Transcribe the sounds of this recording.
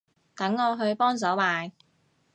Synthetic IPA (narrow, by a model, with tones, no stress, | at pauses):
t̪ɐ˨˥ŋɔː˨˧ɦɵ˧ɥpɔː˥ŋs̬ɐ˨˥wmaː˨˧j